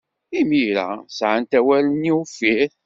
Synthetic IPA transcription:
imiɾæ̰sʕant̪æwæləniufiɾ

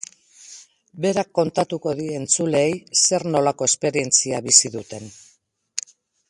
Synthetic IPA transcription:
be̞ɾakːo̞nt̪at̪uko̞ðie̞nt͡sule̞ːjse̞ɾno̞lako̞e̞spe̞ɾie̞nt͡siaβisiðut̪e̞n

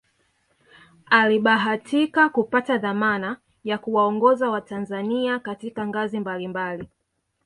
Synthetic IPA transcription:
aliɓaɦatʰikakupataðamana | jakuwaɔŋɡɔzawatanzaniakatikaŋɡazimbalimbali

